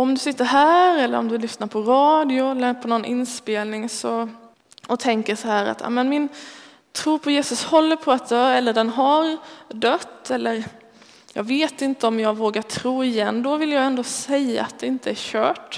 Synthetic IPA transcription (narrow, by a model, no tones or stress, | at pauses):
ɔmd̪ɵsɪt̪ːəɾɦæːɾɛlːə̰ɾɔ̰md̪ɵlʏsnaɾpʰɔɾɑːd̪ɪʊɛlːəɾpʰɔnɔnʔɪnspeːlnɪŋsɔ | ɔt̪ʰɛŋkəsahæːɾa̰t̪ʰːa̰mɛnmɪn | t̪ʰɾuːpʰɔjeːsɵshɔlːəɾpʰɔat̪̚d̪œːɛlːəɖɛnɦaɾd̪œt̪ːɛlːəɾ | jɑ̰ːɡveːt̪ɪnt̪əɔmjɑːɡvoːɡat̪ʰɾuːɪjɛnːd̪ɔvɪljɑːɡɛnd̪oːsɛjːa̰at̪̚d̪ɛɪnt̪əæɾɕœːʈ